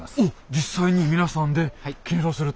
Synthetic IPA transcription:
od͡ʑis͈aiɲimʲinasʰand̪e̞kʲʰĩnsosɯɾɯt

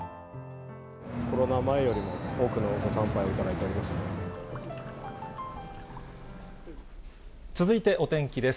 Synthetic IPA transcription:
kʰo̞ɾo̞namae̞jo̞ɾʲimo̞o̞ːkɯ̟no̞ɡo̞sãmpajo̞it̪ad̪ait̪e̞o̞ɾʲimasɨ̥ | t͡sɨzɨit̪e̞ʔo̞t̪ẽ̞ŋkʲid̪e̞s

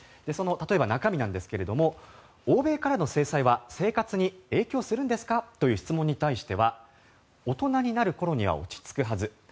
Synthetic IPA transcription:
d̪̥e̞so̞no̞t̪at̪o̞e̞banakamʲinãnd̪e̞sɨ̥ke̞ɾe̞d̪o̞mo̞ | oːbe̞ːkaɾano̞se̞ːsaiβase̞ːkat͡sɨɲ̟ie̞ːkʲo̞ːsɨɾɯ̟̃nd̪e̞sɨ̥kat̪o̞jɯ̟ːçi̥t͡sɨmõ̞ɲ̟ːit̪aiɕi̥t̪e̞βa | o̞t̪o̞naɲ̟inaɾɯ̟ko̞ɾo̞ɲ̟iβ̞a̰o̞̰t͡ɕi̥t͡sɨ̥kɯ̟ɦazɨ

